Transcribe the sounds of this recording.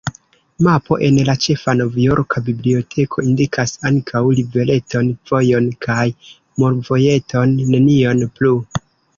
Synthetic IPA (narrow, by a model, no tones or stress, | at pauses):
mapo̞̰ʔe̞nlat͡ʃe̞fano̞vjoɾkʰabiblio̞tʰe̞kʰo̞indikʰasaŋkʰawlive̞le̞to̞nv̥o̞jo̞nkʰaj | moɾvo̞je̞tʰo̞nːe̞nio̞nplu